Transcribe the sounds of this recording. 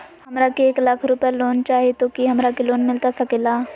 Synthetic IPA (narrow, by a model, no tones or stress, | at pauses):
hɐmɾakieːklakʰɾʊpəloːnt͡ʃaːɦiet̪okiɦɐmɾakiloːnmɪlt̪asɐkelaː